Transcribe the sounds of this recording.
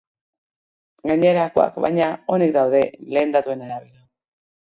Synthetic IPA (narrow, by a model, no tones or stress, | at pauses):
ɡaɲe̞ɾako̞a̰kβa̰jɲao̞nekd̪awðe̞le̞ːnd̪at̪ue̞naɾaβila